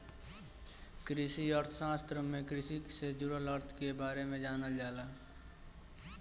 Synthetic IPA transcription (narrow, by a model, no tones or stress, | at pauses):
kɾɪsiəɾt̪ʰsãːst̪ɾəmːẽkɾɪsised͡ʒʊɾələɾt̪ʰkebaːɾemẽd͡ʒaːnəld͡ʒaːlaː